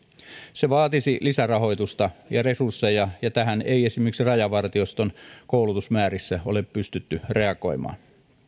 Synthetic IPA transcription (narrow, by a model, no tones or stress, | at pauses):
seʋɑːt̪isilisærɑho̞ijt̪ust̪ɑjɑre̞sursːejɑjɑt̪æɦæneiesimeksirɑjɑʋɑrt̪iost̪onkoulut̪usmæːɾisːæo̰leppyst̪yt̪ːyre̞ɑkˑo̞̰imɑ̰ːn